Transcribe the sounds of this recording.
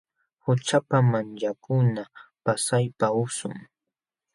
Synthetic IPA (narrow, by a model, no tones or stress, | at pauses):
hʊt͡ʃapamant͡ʃakʊnapasajpaʊsʊ̰ŋ